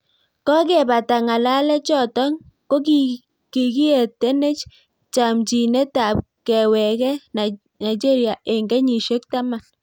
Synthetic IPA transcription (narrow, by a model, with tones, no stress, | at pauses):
kɔ˦k̬e˨ba˨ta˨ŋa˨la˦lɛ˦t͡ʃɔ˨tɔ˦ŋ | ko˦k | ki˨ki˦e˨te˦ne˦t͡ʃ | t͡ʃa˨mt͡ʃi˨ne˦ta˨p̚ | kɛ˨wɛ˨kɛ˦na˨ | na˨it͡ʃe˦ɾi˨a˨e˨ŋɡɛ˦ɲi˨ʃo˦kta˦ma˨l